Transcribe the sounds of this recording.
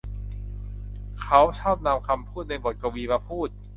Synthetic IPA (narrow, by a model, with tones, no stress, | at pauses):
kʰa˦˥wt͡ɕʰɔː˥˩p̚na˧mkʰa˧mpʰuː˥˩t̪̚na˧jbo˨˩t̪̚ka˧wiː˧ma˧pʰuː˥˩t̪̚